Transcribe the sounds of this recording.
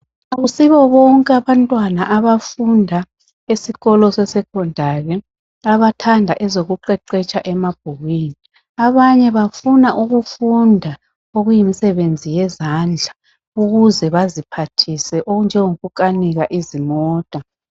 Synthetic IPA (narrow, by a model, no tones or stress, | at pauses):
aɣusiβɔβɔŋkʼaβantʼwanaʔaβafundʱa | esiɣɔlɔsɛsɛkʰɔndʱaɣɛ | aβatʰandʱaʔɛzoɣuǃɛǃɛt͡ʃʼaʔɛmab̥̚ʱuɣwini | aβaɲɛβafunaʔuɣufundʱa | oɣujimisɛβend͡zʱijɛzand͡ɮʱa | uɣuzɛβazipʰatʰisɛʔoɣund͡ʒʱɛŋoɣukʼaniɣaʔizimɔːtʼa